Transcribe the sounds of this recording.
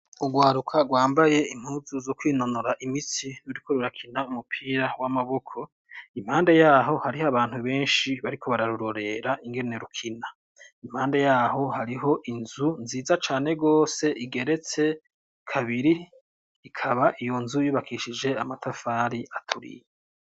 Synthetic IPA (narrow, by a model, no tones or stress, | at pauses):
uɡwaːɾukʰaɡwaːmbaje̞im̥huːzuzokwiːno̞noɾaʔimit͡siɾuɾikoɾuɾakʰinaumupʰiːɾawamaβo̞kʰo̞ | im̥haːnde̞jaːɦo̞haɾihaβaːn̥huβe̞ːnʃiβaɾikʰo̞βaɾaɾuɾo̞ɾe̞ɾaʔiŋɡe̞ne̞ɾukʰina | im̥haːnde̞jaːɦo̞haɾiɦo̞ʔinzunziːzat͡ʃaːne̞ɡo̞ːse̞ʔiɡe̞ɾe̞t͡se̞ | kʰaβiɾiː | kʰaβaʔijo̞nzujuːβakʰiʃid͡ʒe̞amatʰafaːɾiʔatʰuɾḭje